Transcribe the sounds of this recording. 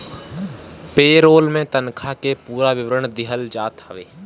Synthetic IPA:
peːɾoːlmẽt̪ənkʰakepuːɾaʋɪʋɾəɳd̪ɪɦəld͡ʒaːt̪əʋeː

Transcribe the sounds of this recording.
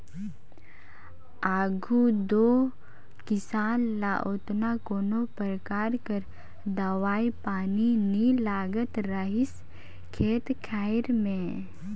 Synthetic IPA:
aːɡʱud̪oː | kɪsaːnla̰ʔoːt̪nakoːnopəɾəkaːɾkəɾ | d̪əʋaːipaːninilaːɡət̪ɾəɦɪs | kʰeːt̪kʰaːɪɾmẽ

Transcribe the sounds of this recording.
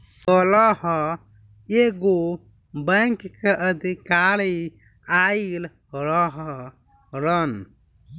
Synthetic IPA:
pələɦə | eɡo | bəŋkkeʔəd̪ʱikaɾi | ail | ɾəɦ | ɾən

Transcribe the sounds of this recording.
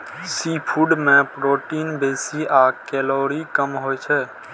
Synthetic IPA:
sipʰuɖmẽpɾoːʈiːnbeːsiakɛloːɾikəmɦojt͡ʃʰɛː

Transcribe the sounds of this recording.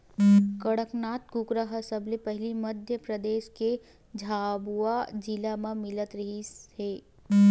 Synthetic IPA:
kɐɽəknaːt̪ɡʊkɾaɦəsɐblepɛɦlimɐd̪ʱjəpɾɐd̪eːʃke | d͡ʒʱaːbuad͡ʒilamãmɪlət̪ɾiɦisheː

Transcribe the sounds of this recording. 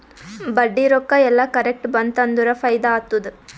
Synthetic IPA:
bɐɖːiɾokːɐɛlːɐkɐɾek̚ʈbɐnd̪t̪ɐnd̪uɾɐfɐjd̪aːt̪ːud̪u

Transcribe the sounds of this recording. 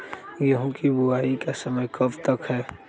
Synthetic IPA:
jɐɦʊ̃kibuaːikasəməjkɐbt̪əkɦɛː

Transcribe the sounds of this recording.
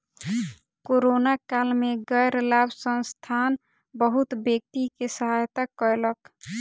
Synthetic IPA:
koɾonakalmeɡəjɾlabsə̃nst̪ʰan | bəɦut̪bjək̚t̪ikesəɦajt̪akəelək

